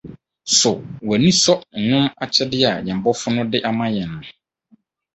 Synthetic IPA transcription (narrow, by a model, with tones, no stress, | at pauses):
sʊ˨wæ˨nĩ˦sɔ˦˨nʊ̃˦ma˨t͡ɕʰɛ˦dɪ˦a˨ɲɛ̃˨m̩˨bɔ˦fʊ˦nʊ̃˦dɪ˦ʔa˨mã˦jɛ˨nʊ̃˨